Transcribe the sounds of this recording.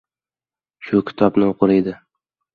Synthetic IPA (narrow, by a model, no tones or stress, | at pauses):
ʃʊkʲʰɪ̥t̪ʰɒbnɪoqʰʊɾed̪ɪ